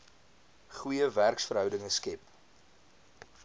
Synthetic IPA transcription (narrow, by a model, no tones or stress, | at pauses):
χujəværksfəɾɦœwdəŋəskɛp